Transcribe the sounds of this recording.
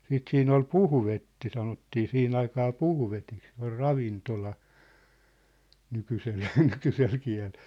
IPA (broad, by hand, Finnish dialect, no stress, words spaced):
siːt siːn ol puhʋetːi sɑnotːiː sihin ɑikɑː puhʋetik se or rɑʋintolɑ nykysel nykysel kiæ̝lel̥